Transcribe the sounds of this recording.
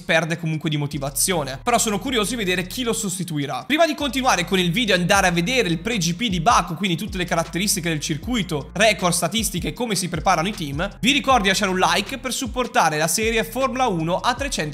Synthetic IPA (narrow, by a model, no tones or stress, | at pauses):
pɛrd̪ekomuŋkwed̪imot̪ivat̪sːjoːnepeɾɔsːoːnokuɾjoːzod̪ived̪eːɾek̟ʰilosost̪it̪uiɾapɾiːmad̪ikont̪inwaːɾekonilviːd̪eoand̪aːɾeavːed̪eːɾeilpɾed͡ʒipid̪ibakːokwind̪it̪ut̪ːelekaɾat̪ːeɾist̪iked̪elt͡ʃirkujt̪orɛːkord̪st̪at̪ist̪ikeːkːomesipɾepaːɾanoit̪imviɾikɔrd̪ilat͡ʃaːɾunlajkpersupːort̪aːɾelasɛːɾjeformulauːnoʔat̪ːɾet͡ʃɛnt̪